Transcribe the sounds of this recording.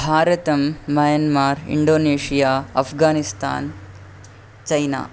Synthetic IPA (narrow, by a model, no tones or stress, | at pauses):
bʱaːɾɐt̪ɐmːɐjɐnmaːɾḭɳɖoːneːʂijaːɐpʰɡaːnist̪a̰ːn | t͡ʃɐjna̰ː